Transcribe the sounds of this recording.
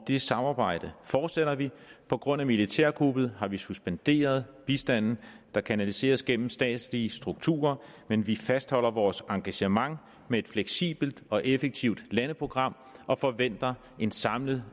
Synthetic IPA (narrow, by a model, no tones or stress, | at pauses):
d̥e̝sɑ̈mɑ̈ːb̥ɑ̈ɪ̰d̥əfɒːd̥seɾ̥ɐʋipʰɒ̽ɡ̥ʁɔ̽n̰æmilit͡sʰæɐ̰ɡ̥ʁub̥ð̞̩ˠhɑ̈ʋisusb̥end̥e̝̰ːɐð̞ˠb̥isd̥æn̰n̩ | d̥ɑ̈kʰænælise̝̰ːɐsɡ̥en̰m̩sd̥ɛ̰ːd̥sliəsd̥ʁuɡ̥̚t͡sʰṵːɐ | menʋifæsd̥hɒ̽l̰ɐʋɒːsɑ̈ŋɡ̥æɕəmɑ̈ŋ | mee̝d̥fleɡ̥sḭːb̥l̩d̥ɒ̽ʔefəɡ̥̚t͡sʰiʊd̥lænəpʰʁo̝ɡ̥ʁɑ̈m̰ | ɒ̽fɒ̽ʋen̰d̥ɐ | e̝nsɑ̈mləð̩ˠ